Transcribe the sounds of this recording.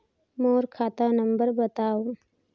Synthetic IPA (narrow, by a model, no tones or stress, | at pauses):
moːɾkʰaːt̪anə̃mbəɾbət̪aːo